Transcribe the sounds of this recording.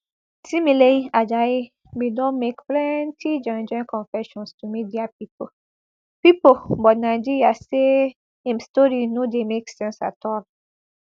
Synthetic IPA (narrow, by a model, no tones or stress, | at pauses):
sĩmileiad͡ʒaji | bidɔ̃nmekplɛntʰid͡ʒãnd͡ʒɛ̃nkʰɔ̃nfɛʃɔ̃nstumidiapip̚ʰo | pipobɔtnaɪd͡ʒiɹiase | ɛ̃mstɔɾinodemeksɛ̃nsa̰tʰɔd